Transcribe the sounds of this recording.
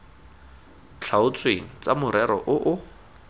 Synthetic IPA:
t͡ɬʰaʊt͡sʼweŋ̩t͡samʊɾɛɾɔʔʊʔʊ

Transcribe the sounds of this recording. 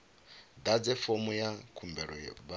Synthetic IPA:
d̪ad͡zɛfomujakʰumbɛɺɔba

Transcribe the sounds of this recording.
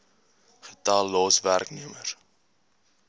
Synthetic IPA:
χətɑːlːɑːsværkniəmər

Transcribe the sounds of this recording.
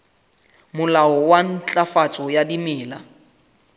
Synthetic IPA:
mʊlaɔwan̩t͡ɬʼafat͡sʼɔjadimɪːla

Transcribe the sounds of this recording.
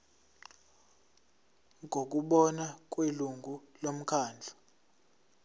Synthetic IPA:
ŋʱok̬uɓɔnak̬ʼweluŋɡʱulom̩kʰaːnd͡ɮʱḁ

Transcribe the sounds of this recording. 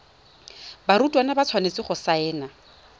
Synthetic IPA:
baɾutʼwanabat͡sʰwanet͡sɪχʊsaɛːna

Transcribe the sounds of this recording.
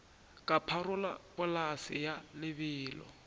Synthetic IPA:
kʼapʰaɾʊla̰pʼʊlasɪjalɪβɪːlɔ̰

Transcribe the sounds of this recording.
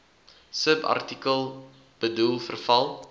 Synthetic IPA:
səbɐ̰rtikəlˠ | b̥ədulˠfərfɐlˠ

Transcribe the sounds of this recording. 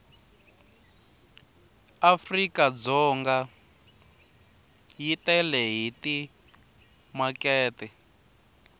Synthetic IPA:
afrikad͡zɔŋɡa | jitɛlɛɦiti | makɛːtɛ

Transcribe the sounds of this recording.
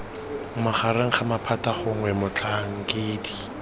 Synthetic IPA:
ŋ̩maχaɾɪŋ̩χamapʰataχʊŋ̩wɛmʊt͡ɬaŋ̩keːdi

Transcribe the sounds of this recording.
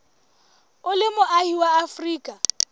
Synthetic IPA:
ʊlɪmʊʔahiwaafriːkʼa

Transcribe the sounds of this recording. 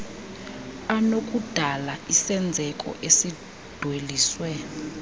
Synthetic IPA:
anokʼud̥ʱalaisɛnd͡zʱɛkʼɔ̰ʔesi | d̥ʱweliːswɛ

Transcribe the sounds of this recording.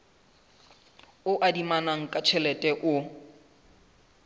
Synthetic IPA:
ʊʔadimanaŋ̩kʼat͡ʃʰɛlɛtʼɛʔʊ

